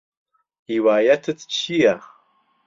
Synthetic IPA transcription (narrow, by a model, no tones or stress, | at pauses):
iwaːjɐt̪ʰɨt͡sʰt͡ʃʰiaχ